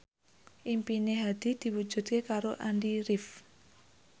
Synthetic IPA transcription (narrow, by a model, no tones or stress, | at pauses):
ʔimpineɦad̪̥i̤d̪̥i̤wu̥d͡ʒ̥ṳd̪̚kekaɾoʔanɖiɾif